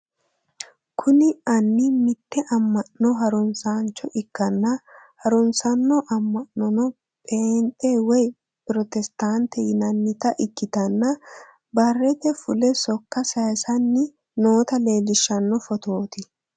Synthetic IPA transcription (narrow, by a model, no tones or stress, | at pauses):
kʰʊnɪɐnːɪmɪt̪ːɛʔɐmːɐʔɔɦɐɾʊnsaːnt͡ʃːɔʔɪkːɐnːɐhɐɾʊnsɐnːɔʔɐmːɐʔɔnɔ | pʼeːnt̪ʼewɛj | pɾɔt̪ɛst̪aːnt̪ɛjɪnɐnːɪt̪ɐʔɪkːɪt̪ɐnːɐ | bɐrːɛt̪ɛfʊlɛsɔkːɐsɐjsɐnːɪ | no̞ːt̪ɐle̞ːlɪʃːɐnːɔfɔt̪o̞ːt̪ɪ